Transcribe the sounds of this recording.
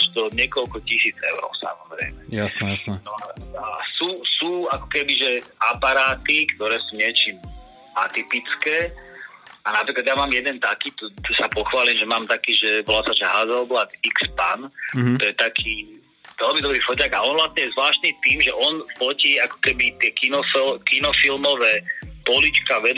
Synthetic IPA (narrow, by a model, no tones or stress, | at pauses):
aʒt̪ɔɲɪɛkɔlkɔcisiːd͡zɛ̰ʊɾɔ̰ʊsa̰mɔzɾɛ̰ɪmɛjasɛnɔaasuːsuːakɔ̥kɛbiʒɛapaɾaːt̪ikt̪ɔɾɛːsuːɲɪɛt͡ʃiːm | at̪ipit͡skɛː | anapɾiːklad̪jamaːmjɛd̪ɛnt̪akiːt̪ɔsapɔxʋaːliːmʒɛmaːmt̪akiːʒɛbɔlaːsaʒɛɦazɛlblak̪ikspa̰nɔjɛt̪akʰiː | ʋɛlmid̪ɔbɾiːfɔcaɡaɔnʋlat̪ɲɛjɛzʋlaːʃt̪nit̪iːmʒɛʔɔnfɔciakɔ̥kɛbit̪ɪɛkinɔfɛkinɔfilmɔʋɛːpɔlit͡ʃkaʋɛd̪